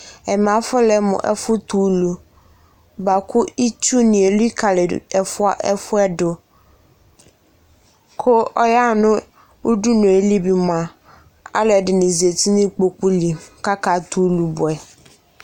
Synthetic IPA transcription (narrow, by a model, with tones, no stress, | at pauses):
ɛ˨m˨ã˨fʊ˦lɛ˨mʊ̰̃˨ʔɛ̰˨fʊ˦t̪u˨˦lu˨ | ba˨kʰʊ˦i˦t͡ʃu˦nɪ̃˨e˨li˦kʰa˨lɪ˨ɛ˨fʊ˦a˦˨ʔɛ˦fʊ˦ɛ˦dʊ˨ | kʰʊ˦ɔ˦ja˦nʊ̃˦ | u˦ɖu˦nʊ̃˨e˨li˦bi˨m˨ã˨ | a̰˦lɛ˨dɪ˨nɪ̃˨zi˨e˨tʰi˦nĩ˦k͡po˨k͡pu˦li˨ka˦ka˨t̪u˨˦lu˨bʊ˨ɛ˨